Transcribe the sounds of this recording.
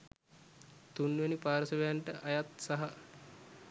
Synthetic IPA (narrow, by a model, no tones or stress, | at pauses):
t̪unʋenipaːɾəsəʋejaɳʈəʔajat̪saɦa